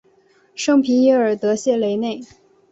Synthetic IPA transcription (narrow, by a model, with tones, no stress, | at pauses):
ʂɤ˥ŋpʰi˧˥njɛ˥ə˞˨˩t̪ɤ˧˥ɕjɛ˥˩le˧˥ɪne˥˩ɪ